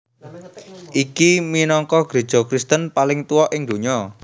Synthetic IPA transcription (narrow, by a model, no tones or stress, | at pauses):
ʔikiminɔŋkɔɡ̥ɾe̤d̥d͡ʒ̥ɔ̤kɾist̪ənpalɪŋt̪uwɔʔɪŋd̪o̤ɲɔ